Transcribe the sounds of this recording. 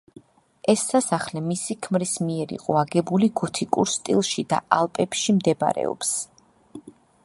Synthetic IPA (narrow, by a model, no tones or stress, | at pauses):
ɛsːasaχlɛmisikʰmɾismiɛɾḭqʼɔaɡɛbuliɡɔt̪ʰikʼuɾst̪ʼḭlˠʃid̪a̰alˠpʼɛpʃimd̪ɛba̰ɾɛ̰ɔ̰ps